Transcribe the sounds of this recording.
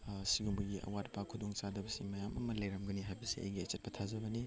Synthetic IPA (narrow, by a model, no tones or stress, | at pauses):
siɡumbɐɡiʔɐ̰watpakʰudoŋt͡ʃadɐbɐsimɐjamɐ̰mɐlɐjɾɐmɡɐniɦajbɐsiɐ̰jɡiɐt͡ʃet̚pɐtʰazɐbɐni